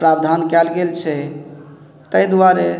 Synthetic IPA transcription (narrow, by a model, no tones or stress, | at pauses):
pɾabd̪ʱankɛlɡelt͡ʃʰɛ | t̪əjd̪uaɾe